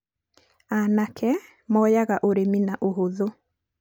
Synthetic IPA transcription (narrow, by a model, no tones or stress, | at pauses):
anakʰɛ | mɔjaɣaʔoɾeminaʔoɦoðo